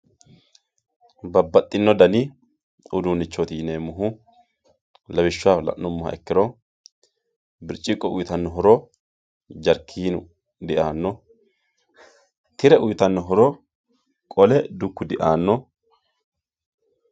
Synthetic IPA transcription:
bɐbːɐt̪ʼːɪnːɔd̪ɐni | ʊd̪uːnɪt͡ʃːot̪iːneːmʊɦʊ | lɐbɪʃːʊaːlɐ̰ʔːʊmːʊhɐ̰ʔɛkːɪɾɔ | bɪɾt͡ʃʼːɪkʼːɔʔʊjt̪ɐnːɔɦɔɾɔ | d͡ʒɐɾkʰːiːnʊ | d̪ɪʔaːnːɔ | t̪ɪɾɛʔʊjt̪ɐnːɔɦɔɾɔ | kʼɔlɛd̪ʊkːʊd̪ɪʔaːnːɔ

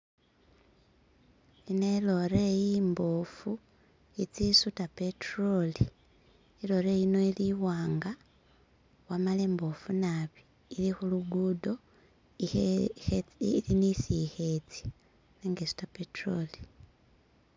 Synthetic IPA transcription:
inelo̞ɾejiːmbofu | it͡sisutapetroli | ilo̞ɾejino̞iliwaːŋɡa | wamaleːmbo̞funaβiː | lixuluɡuːdo̞ | linisixet͡si̥ | neŋɡesu̥tapetroli̥

